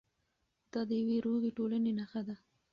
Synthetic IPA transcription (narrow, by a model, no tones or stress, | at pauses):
d̪̥ɑd̪əjaweɾoɣeʈolanenaxad̪a